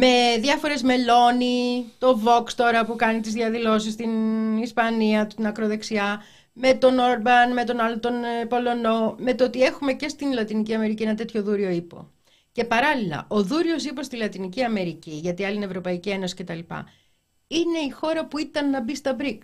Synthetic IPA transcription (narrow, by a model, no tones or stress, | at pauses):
me̞ðʝɐfo̞ɾe̞zme̞lo̞nit̪o̞vo̞kst̪o̞ɾɐpukɐnit̪izðiɐðilo̞s̬ist̪inispɐniɐt̪ut̪inɐkɾo̞ðe̞ksiɐ | me̞t̪o̞no̞ɾbɐnme̞t̪o̞nɐlot̪o̞npo̞lo̞no̞me̞t̪oot̪ie̞xume̞ce̞st̪inlɐt̪iniciɐme̞ɾicie̞nɐt̪e̞t̪ço̞ðuɾio̞ipo̞̰ | ce̞pɐɾɐlilɐ̰ʔo̞ðuɾio̞sipo̞st̪ilɐt̪iniciɐme̞ɾiciʝɐt̪iɐlinevɾo̞pɐicie̞no̞si̥ce̞t̪ɐlipɐ̰ | ine̞ixo̞ɾɐpuit̪ɐnːɐbist̪ɐbɾik